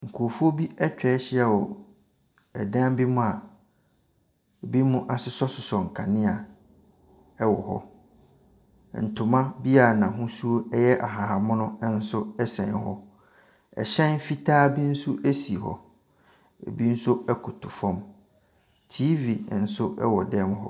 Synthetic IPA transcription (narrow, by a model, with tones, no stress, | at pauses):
ŋ̩˨kʰu˨o˨fu˦o˦bi˦ɛ˦t͡ɕᶣɛ˨˦ɕɪ˦a˨wɔ˨ | ɛ̰˨dã˦m˦bi˦mʊ̃˦a˨ | e˨bi˦mũ˦ʔa˨sɪ˦sɔ˦sʊ˨sɔ˨ŋ̩˨kʰa˨nɪ̃˦a˨ | ɛ˦wɔ˨ɦɔ̰˦˨ | n̩˨tʰʊ˨mã˦bi˦a˨nã˨ɦũ˦su˦o˦ɛ˦jɛ˦ʔa˨ɦa˨a˨mʊ̃˦nʊ̃˦n̩˦sʊ˦ɛ˦sɛ̰̃˨n˦ɦɔ̰˦ | ɛ̰˨ɕɛ̃˦nfi˦tʰaː˦bĩ˦n̩˦su˦ʔe˦si˨ɦɔ̰˨ | ḛ˨bi˦n̩˦sʊ˦ɛ˦kʰʊ˨tʰʊ˨fɔ̃˦m | tʰiː˦vi˨n̩˨sʊ˦ʔɛ̰˦wɔ˨dɛ̃˦mɦɔ̰˦